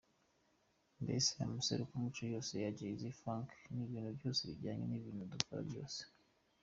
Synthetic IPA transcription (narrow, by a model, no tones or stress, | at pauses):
ndḛseja̰muse̞̰ɾukumit͡ʃojo̞ːse̞jaɟaizifɾãŋkniβiːnhubjo̞ːseβiɟaːɲḛniβiːnudufuɾa̰bjo̞̰ːse̥